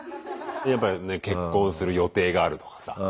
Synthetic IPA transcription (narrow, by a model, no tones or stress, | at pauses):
jap̬ːaneke̞kːõ̞ɰ̃sɨɾɯ̟jo̞t̪e̞ːɡaːɾɯ̟t̪o̞̥kḁsa̰